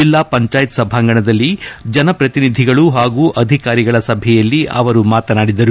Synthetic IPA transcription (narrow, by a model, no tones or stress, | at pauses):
d͡ʒilːaːpɐɲt͡ʃaːjt̪sɐbʱaːŋɡɐɳɐd̪ɐlːid͡ʒɐnɐpɾɐt̪inid̪ʱiɡɐɭuɦaːɡuːʔɐd̪ʱikaːɾiɡɐɭɐsɐbʱɛjɐlːiʔɐʋɐɾumaːt̪ɐnaːɽid̪ɐɾu